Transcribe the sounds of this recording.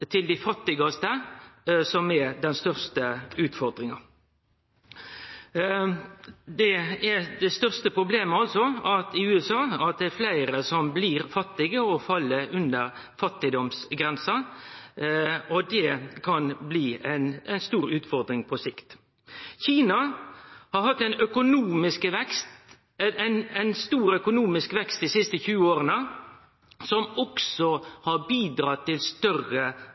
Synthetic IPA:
t̪ʰɪld̪ɪfɑt̪ːɪɡɑst̪ə | sɔmɛd̪ɛnst̪œʁst̪əʉːt̪fɔʁd̪ɾɪŋɑ | d̪ɛæd̪ɛst̪œʁst̪əpʰʁʊbleːməɑlsɔɑt̪ɪʉːɛsɑːɑt̪̚d̪ɛːflæɪɾəsɔmbliːʁfɑt̪ːɪɡəɔfɑlːəɾʉnd̪əʁ | fɑt̪ːɪd̪ɔmsɡɾɛnsɑ | ɔd̪ɛkʰɑnbliːæɪnæɪnst̪uːɾʉːt̪fɔʁd̪ɾɪŋpʰɔsɪkt̪ | çiːnɑhɑɾhɑt̪ːɛɪnœkʊnuːmɪskʋɛkst̪ | nɛɪnst̪uːɾœkʊnuːmɪskʋɛkst̪̚d̪iːsɪst̪əçʉːoːɾənə | sɔmɔksɔhɑɾbiːd̪ɾɑt̪ʰːɪlst̪œrə

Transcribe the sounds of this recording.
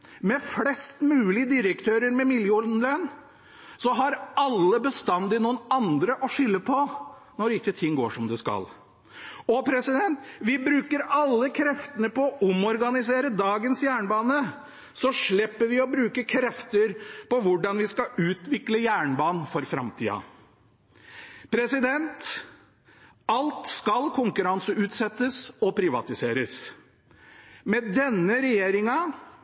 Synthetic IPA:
mɛflɛst̪mʉːlɪəd̪ɪɾəkt̪ʰøːɾəɾmɛmɪljəʊnlən | sɔɦɑɾɑlːəbəst̪ɑnd̪ɪnuːənɑnd̪ɾəʔɔʂʏlːəpʰɔnɔɖɪkːət̪ʰɪŋːɡo̰ːʂɔmd̪ɛskɑ̰l | ɔpʰɾɛsɪd̪ɛnt̪ʋɪbɾʉːkəɾɑlːəkʰɾɛft̪ənəpɔːʔʊmɔɾɡɑnɪseːɾəd̪ɑːɡənsjæːɳbɑːnə | sɔʂɭɪpːəɾʋɪɔbɾʉːkəkʰɾɛft̪əɾpɔʋʊɖɑnʋɪskɑʉːt̪ʋɪkləjæːɳbɑːnnfɔɾfɾɑ̰mt̪ʰḭːɑ̰ | pʰɾɛsɪd̪ɛnt̪ | ɑlt̪skɑlkʰʊŋkʉɾɑnsəʉːt̪sɛt̪ːəsɔpʰɾɪʋɑ̰t̪ɪseːɾəs | mɛd̪ɛnːəɾɛjeːɾɪŋɑ

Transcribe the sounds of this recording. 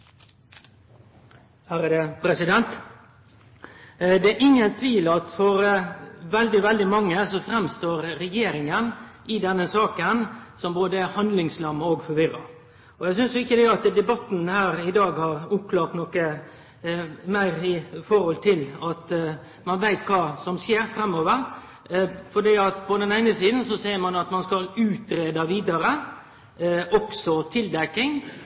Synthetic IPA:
hæɾəd̪ɛpʰɾɛsɪd̪ɛnt̪ | d̪ɛæʔɪŋːənt̪ʰʋiːlɑt̪fɔɾʋɛld̪ɪʋɛld̪ɪmɑŋːəsɔfɾɛmst̪oːɾːɛjeːɾɪŋənʔɪd̪ɛnːəsɑːkənsɔmboːd̪əæhɑnd̪lɪŋslɑmːəoːɡfɔɾʋɪrɑ | ɔjæɡs̬ʏnsjʊɪçːəd̪ɛɑt̪d̪ɛbɑt̪n̩hæːɾɪd̪ɑːɡhɑɾʊp̚kʰlɑːɾt̪nɔkə | mæɪɾɪfɔɾhɔlt̪ʰɪlɑt̪ | mɑnʋæɪt̪kʰɑːsɔmseːɾfɾɛmːɔːʋəɾ | fɔɖiːɑt̪pʰɔd̪ɛnæɪnəsiːd̪n̩sɔseːɾmɑnɑt̪mɑnskɑlʉːt̪ɾeːd̪ɑʋiːd̪ɑɾə | ʔɔksɔt̪ʰɪld̪ɛkːɪŋ

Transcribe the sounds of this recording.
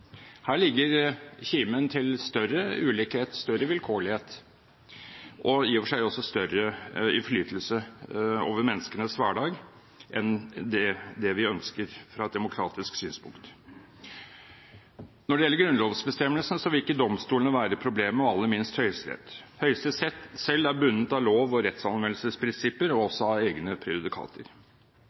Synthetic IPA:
hæːɭɪɡːəɾçiːmənt̪ʰɪlst̪œrəʉːlɪkheːt̪st̪œɾːəʋɪlkʰoːɭɪheːt̪ | ʔɔiːɔʋəʂæɪɔsːɔst̪œɾəɪnfɭyːt̪ʰl̩səo̰ːʋəɾmɛnːəskənəsʋæːɖɑːɡ | ʔɛnd̪ɛd̪ɛʋɪœnskəɾfɾɑɛt̪̚d̪ɛmʊkʰɾɑːt̪ɪsksyːnspʊ̰ŋkt̪ | nɔɖɛjɛlːəɡɾʉnloːʋsbəst̪ɛmːəlsnəsɔʋɪlɪkːəd̪ɔmst̪uːlənəʋæːɾəpʰɾʊbleːməɔɑlːəɾmɪnst̪hœʏst̪ɾɛ̰t̪hœʏst̪əsɛt̪ːsɛlːæɾbʉnːət̪ɑloːʋɔɾɛt̪sɑnʋɛnlsəspʰɾɪnsɪpːəɾɔɔsːɔɑeːɡnəpʰɾɪʊd̪ɪkʰɑ̰ːt̪ʰəɾ

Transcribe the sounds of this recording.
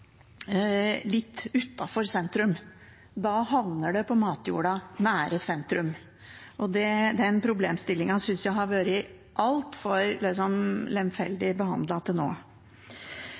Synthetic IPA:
lɪt̪ːʉt̪ːɑfɔɾsɛnt̪ɾʉm | d̪ɑːhɑʋnəɖɛpʰɔmɑːt̪jṵːɽɑnæːɾəsɛnt̪ɾʉm | ʔɔd̪ɛd̪ɛnpʰɾʊbleːmst̪ɪlːɪŋɑsʏnsjæɪɦɑɾʋøːɾɪ | ʔɑlt̪fɔɾlɪsɔmlɛmfɛld̪ɪbəhɑ̰nd̪lɑt̪ʰɪlno̰ː

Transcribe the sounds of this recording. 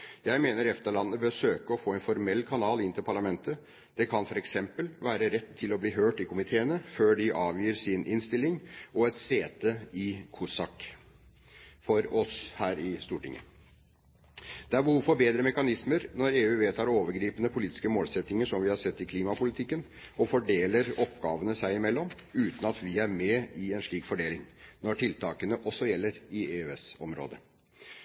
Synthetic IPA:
jæɪmeːnəɾɛft̪əɭɑnːəbəsøːkəɔfoːɛnfɔɾmɛlːkʰɑnɑːlɪnt̪ɪlpʰɑɭɑmɛnt̪ə | d̪̥ɛkʰɑnfɔɾɛksɛmpəlʋæːɾəɾɛt̪ʰːɪlɔbliːɦøːʈɪkʰʊmɪt̪ʰeːənəføːɖɪʔɑːʋjyːɾsɪnʔɪnst̪ɪlːɪŋɔɛt̪seːt̪əɪkʰusɑk | fɔɾɔshæːɾɪst̪uːʈɪ̰ŋʔə̰ | d̪̥ɛæɾbəhuːfɔɾbeːd̪ɾəmɛkɑnɪsməɾnɔɾeːʉːʋeːt̪ʰɑːɾoːʋəɾɡɾiːpənəpʰʊliːt̪ɪ̥skəmoːlsɛt̪nɪŋəʂɔmʋɪhɑsɛt̪ːɪkʰliːmɑpʊlɪt̪ʰɪkːən | ɔfɔɖeːləɾɔpɡɑːʋənəsæɪɪmɛlːɔmʉːt̪ən̩ɑt̪ʋɪæɾmɛɪɛnʂɭiːkfɔɖeːlɪŋnɔʈɪlt̪ʰɑːkənəʔɔsːɔjɛlːəɾɪeːøɛsɔmɾo̰ːd̪ə

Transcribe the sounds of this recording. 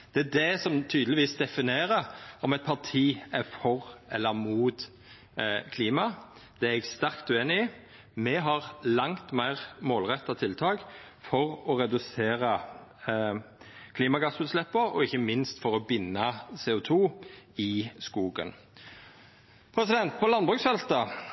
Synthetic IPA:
d̪̥ɛæd̪ɛsɔmt̪ʰyːd̪lɪʋiːsd̪ɛfɪneːɾəɔmɛt̪̚pʰɑʁt̪ʰiːæɾfɔʁʔɛlːəɾmuːt̪ | kʰliːmɑ | d̪̥ɛɛɡst̪æʁkt̪ʉeːnɪɪ | mɛɦɑʁlɑŋt̪mæɪʁmoːlʁɛt̪ːɑt̪ʰɪlt̪ʰɑːk | fɔʁɔʁɛd̪ʉseːɾə | kʰliːmɑɡɑsʉːt̪slɛpːəɾɔ̰ɪçːəmɪnst̪fɔʁɔbɪnːɑseːʊt̪ʰuːɪskuːɡə̰n | pʰɾɛsɪd̪ɛnt̪̚pʰɔlɑnbʁʉːksfɛlt̪ɑ

